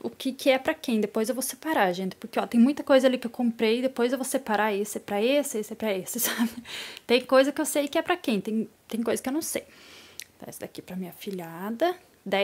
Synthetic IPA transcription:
ʊkʰɪkʰɪɛpɾɐkẽj̃d̪epojzewvowsepaɾaʒẽnt̪ɪ̥poɾkeɔt̪ẽj̃mũj̃t̪ɐkojzɐalikɪewkõmpɾejɪd̪epojzewvowsepaɾaesɪɛpɾɐesɪesɪɛpɾɐesɪsabɪt̪ẽj̃kojzɐkɪewsejkɪɛpɾɐkẽj̃t̪ẽj̃t̪ẽj̃kojzɐskɪewnɐ̃w̃sej | asd̪akipɾɐmĩɲɐfiʎad̪ɐ | d̪a

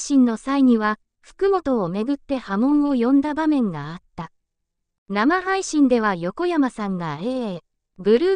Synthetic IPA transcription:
ɕĩnːo̞saiɲ̟iβa | ɸɯ̥kɯ̟mo̞t̪o̞ːme̞ɡɯ̟t̪ːe̞hamõ̞ɰ̃o̞jõ̞nd̪abamẽ̞ŋɡaːt̪ːa | namaɦaiɕĩnd̪e̞β̞ajo̞ko̞jamasãŋɡae̞ː | bɯ̟ɾɯ̟ː

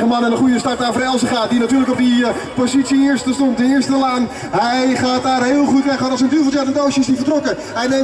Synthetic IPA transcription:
əmanəndəχujəstart̚naːfəɾɛlˠsəχaːdinatyːləkɔp̚dipozitsiɪɹstəstɔntənɪɹstəlaːn | ɦɛjχaːt̚daːrɦɪːəlˠχutʋɛχaːnɔsəndyfəsɛtəndowsəɪsdifərtrɔkə | hɛjne

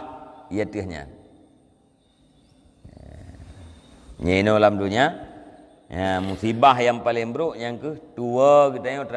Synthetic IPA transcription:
ijat̪ihɲa̰n | ɲainolamduɲa | ɲamusibaɦjaŋpalɪŋbəɾuʔɲaŋkəht̪uəɡit̪aɲot̪

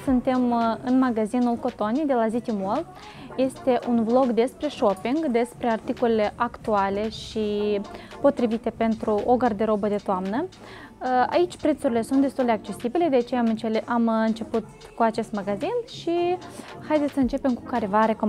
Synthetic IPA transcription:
sɨnt̪e̞mɨnmaɡazinulko̞t̪o̞nijd̪e̞lazit̪imol | je̞st̪e̞ʔunblo̞ɡd̪e̞spɾe̞ʃo̞piŋɡd̪e̞spɾe̞art̪ikolele̞ʔakt̪uale̞ʃi | po̞t̪ɾivit̪e̞pe̞nt̪ɾuoɡard̪e̞ɾo̞bəd̪e̞t̪oamnə | a̰it͡ʃʲpɾe̞t̪suɾile̞sunt̪d̪est̪uld̪eak̚t͡ʃe̞sibile̞d̪eat͡ʃejamɨeʔamɨnt͡ʃe̞put̪̚ | kuat͡ʃe̞st̪maɡazinʃixajd̪et̪ʲsəɨnt͡ʃe̞pe̞mkukaɾevaɾeko

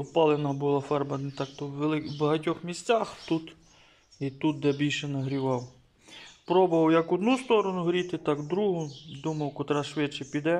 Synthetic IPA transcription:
ɔpɑlˠenɐbʊlˠɑfɛrbɐnt̪ɑkt̪ɔwʋlˠɪbɐɦɐtʲɔxmʲisʲt͡sʲaxt̪ut̪ | it̪ut̪̚d̪ɛbʲilʲʃɛnɐɦɾʲiʋɑw | pɾɔbɔʋɐwjɐkɔd̪nust̪ɔɾɔnʊɦɾʲit̪ɪt̪ɑkd̪ɾuɦʊd̪umɐwkɔt̪ɾɑʃʋɪt͡ʃɛpʲid̪ɛ

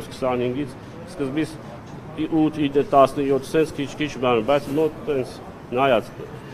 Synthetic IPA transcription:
skʰə̥sɑnhiŋɡit͡sʰ | skəzbit͡sʰ | ut̪ʰid̪nət̪ɑsnəjɔt̪ʰːsɛnt͡sʰkʰit͡ʃʰkʰit͡ʃʰbɑnəbɑjt͡sʰmɔt̪ɛnt͡sʰ | nɑjɑt͡s̪ʰə

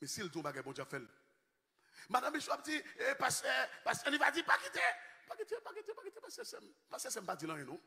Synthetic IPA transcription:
mɛ̃sildiõbaɡajbõd͡ʒafɛl | madãmːiʃɛap̚d͡ziepasepasɛ̃nivad͡zipaɡitepaɡitepaɡitepakitɛpasɛsɛmpaskesɛm̩pad͡zilãjɛ̃nɔ̃

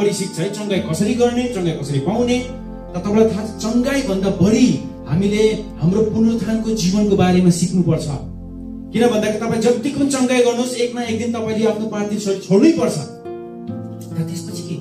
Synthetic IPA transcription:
ʌɽisik̚t͡sʰʌjt͡sʌŋɡajkʌsʌɾiɡʌrnet͡sʌŋɡajkʌsʌɾipaw̃ne | t̪ʌt̪ʌplat̪ʰat͡sʌŋɡajbʱʌnd̪abʌɽi | ɦa̰mileɦamropunːot̪ʰankod͡zibʌnkobaɾemasiknupʌrt͡sʰʌ | kinʌbʱʌnd̪akit̪ʌpãĩd͡zʌt̪ːikʰunt͡sʌŋɡajɡʌrnuoseknaek̚d̪int̪ʌpãĩleapʰnopand̪insʰʌt͡sʰoɽujpʌrt͡sʰʌ | t̪ʌt̪est̪ot͡sʰi̥ke

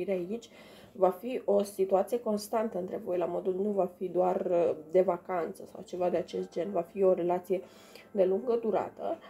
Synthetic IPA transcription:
iɾeait͡ʃʲ | vafiʔo̞sit̪uat̪sijeko̞nst̪ant̪əɨnt̪ɾe̞vojelamo̞d̪ulnuvafid̪oard̪e̞vakant̪səsa̰wt͡ʃe̞vad̪e̞at͡ʃe̞st̪̚d͡ʒe̞nvafio̞ɾe̞lat̪sije̞ | d̪e̞luŋɡəd̪uɾa̰t̪ə̰

